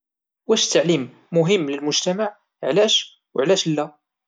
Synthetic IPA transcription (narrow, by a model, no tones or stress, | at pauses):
wæʃt̪ːəʕlimː | ʊɦəmːləlmʊʒt̪æmaʕ | ʕlæʃ | wʕlæʃlːæ